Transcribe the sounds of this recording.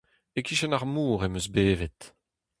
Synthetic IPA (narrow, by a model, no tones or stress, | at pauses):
ekiʃɛnaʁmuːʁemøzbeːvɛt̪